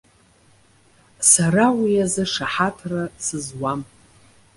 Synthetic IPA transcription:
sarawijazɨʂaħatʰrasɨzwam

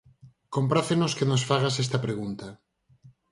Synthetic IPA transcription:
kompɾaθenoskenosfaɣasest̪apɾeɣunt̪a

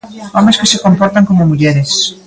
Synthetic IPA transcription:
ɔmeskɪsekompɔɾt̪aŋkomomuʎɛɾɪs

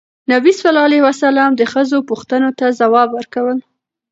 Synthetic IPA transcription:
nabisfalɑlewasalɑmd̪əxəzopuxt̪ənot̪azawɑbwəɾkawəl

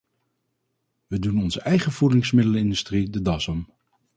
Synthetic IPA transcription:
ʋədunɔnzəʔɛjχəv̥udɪŋsmɪdələɪndystridədɑsəm

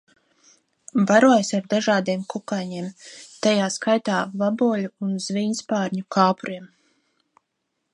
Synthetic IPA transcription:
vaɾuɔjsaɾd̪aʒaːd̪iɛmkukajɲiɛmt̪ajaːskajt̪aːvabuːluunz̥viːɲspaːɾɲukʰɑːpuɾiɛm

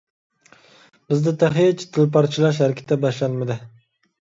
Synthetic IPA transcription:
bɪzd̪ɪt̪ʰæχijɛt͡ʃʰi̥t̪ʰɪlpɑɾt͡ʃʰilˠɑʃ̬hæɾɪkʲʰɪ̥t̪ʰːɛbɛʃlænmɪd̪ɪ

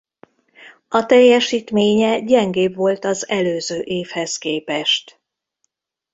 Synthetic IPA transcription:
ɒt̪ɛjːɛʃiːt̪meːɲɛɟɛŋɡeːbʋo̞lt̪ɒzɛløːzøːʔeːfhɛskeːpɛʃt̪

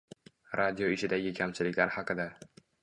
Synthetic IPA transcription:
ɾʔad̪ioɪʃɪd̪aɡʲɪkʲʰamt͡ʃʰɪlɪkʲlaɾhɑqʰɨd̪a

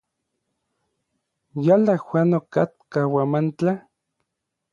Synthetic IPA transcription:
jalaxwʷanokat̪̚kawamant͡ɬa

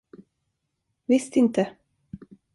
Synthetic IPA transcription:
vɪst̪ɪnt̪ə

